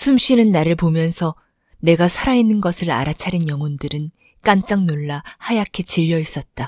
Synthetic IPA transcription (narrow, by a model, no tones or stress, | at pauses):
sʰumɕ͈inɯnːaɾɯɭpomjʌnsʰʌ | ne̞ɡasʰaɾainːɯnɡʌsʰɯɾa̰ɾat͡ɕʰaɾinjʌŋondɯɾɯn | k͈ant͡ɕ͈aŋnoɭːahajakʰet͡ɕiʎːʌis͈ʌt̚t͈a